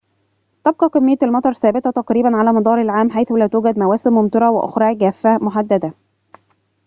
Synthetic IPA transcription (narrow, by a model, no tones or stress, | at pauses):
t̪ɑb̚qɑkemːɪjːælmɑt̪ˤɑɾˤθæːbɪt̪æt̪ɑqɾiːbænʕalæːmɑd̪ˤɑːɾˤɪlʕaːmħajθʊlæːt̪uːɡæd̪mæwæːsɪnmʊmt̪ɑɾˤɑwɪʔo̰xɾˤɑːʕɡæːfːæmʊħad̪ːæd̪æ